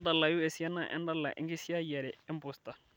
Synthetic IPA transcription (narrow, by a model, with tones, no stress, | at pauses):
dɐ˨lːa˨ju˦ɛ˨si˨˦a˦nːa˨ʔɛ̰˦nda˦lːa̰˨ʔɪ̰˦ɡi˦si˦ja˦jɛ˨ɾɛ˨ɛ˦mbʊ˨st̪a˨